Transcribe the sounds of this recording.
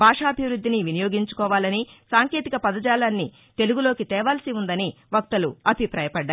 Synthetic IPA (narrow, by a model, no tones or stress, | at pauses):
bʱaːʂaɐbʱiʋɾud̪ʱːiniʋinijoːɡiɲt͡ʃu̥kɔːʋaːlɐnisaːŋke̞ːt̪ikɐpɐd̪ɐd͡ʒaːlaːnːi | t̪e̞luɡuloːkit̪ɛːʋaːlsiund̪ɐniʋɐk̚t̪ɐluɐbʱipɾaːjɐpɐɖː